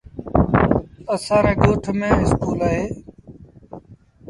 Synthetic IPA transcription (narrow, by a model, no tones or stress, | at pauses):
əsãːɾeːɡoːʈʰmẽːɪskʰuːlaːɦeː